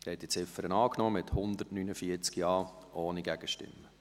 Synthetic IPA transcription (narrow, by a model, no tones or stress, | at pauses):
hɛt̚d̥it͡sɪfəɾənɑːknɔːmɪthʊnd̪ətnyːnəfiət͡skjɑː | ʔoːniɡæɡ̥əʃtɪ̰mːə